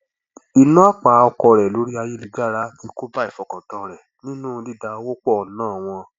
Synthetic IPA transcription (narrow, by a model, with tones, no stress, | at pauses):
i˧nũ˦a˦k͡pa˨˦ɔ˧kɔ˧ɾɛ˨lo˨˦ɾi˦a˧je˦li˨˧ɡa˦˨ɾa˦ti˨˦ko˦ba˦i˨fɔ˨kã˨tɔ˧˨ɾɛ˨ | nĩ˦nũ˦˧˦di˦˨da˧o˧wo˦k͡pɔ˦˨nãː˦˨w̃ɔ̃˧